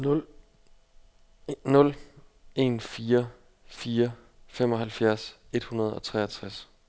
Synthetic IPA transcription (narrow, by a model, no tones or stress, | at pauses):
nɔ̽le̝ːnfiːɐ | fiːɐ | fem̰ɒ̽ɦhælfjæɐ̰se̝d̥hunɐð̞ˠɒ̽t͡sʰʁɛ̰ːɐt͡sʰʁas